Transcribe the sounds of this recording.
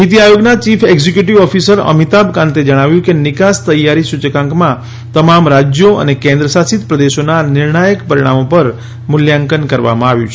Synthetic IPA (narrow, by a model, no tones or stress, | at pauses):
mit̪iajoɡnat͡ʃifʰeɡzikjuʈiʋɔfisəɾə̰mit̪abkãnt̪ed͡ʒəɽ̃aʋjũkenɪkast̪əjːaɾisut͡ʃəkãŋkmã | t̪əmamɾad͡ʒjoə̰nekẽnd̪ɾəsasit̪pɾəd̪eʃonanɪɾɳajəkpəɾiɽ̃a̰mopəɾ | mʊljãŋkənkəɾʋa̰mãaʋjṵ̃t͡ʃʰ